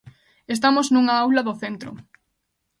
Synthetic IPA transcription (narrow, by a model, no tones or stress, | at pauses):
es̬t̪amoznuŋaawlaðoθent̪ɾo̰